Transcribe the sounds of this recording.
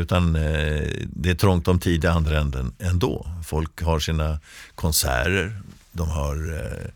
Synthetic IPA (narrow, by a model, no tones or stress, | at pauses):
ʉ̟ːt̪an | d̪ɛæʈʰɾɔŋt̪ɔmt̪ʰiːd̪ɪand̪ɾaɛnd̪ənɛnd̪o̰ːfɔlkɦaʂiːnakʰɔnsæ̰ːɾəɾ | d̪ɔmɦaɾ